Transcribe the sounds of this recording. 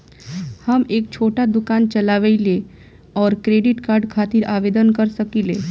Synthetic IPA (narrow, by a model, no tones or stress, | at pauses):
həmeːk̚t͡ʃʰoʈad̪ukant͡ʃəlaʋəile | ɔːɾkɾeɖiʈkaɾɖkʰat̪iɾaʋed̪ənkəɾsəkile